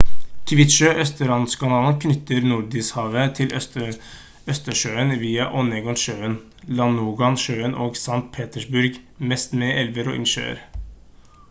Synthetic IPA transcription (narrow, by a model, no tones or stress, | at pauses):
kʰʋɪt̪ʃøːʔœst̪əɾɑnskʰɑnɑːlnkʰnʏt̪əɾnʊɖ̪ɪshɑːʋət̪ʰɪlʔœt̪ə | œst̪əʂøːənʋiːɑʔɔneɡɔnʃøːən | lɑnuːɡɑnʃøːənʔoːɡsɑŋt̪̚pʰeːt̪əʂbʊɾɡmɛst̪meʔɛlʋəɾo̰ːʔɪ̰nʃø̰ːə̰ɾ